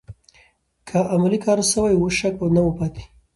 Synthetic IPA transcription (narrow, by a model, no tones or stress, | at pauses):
kʰaʔamalikɑɾsəwajwoʃakbanawəpɑt̪i̥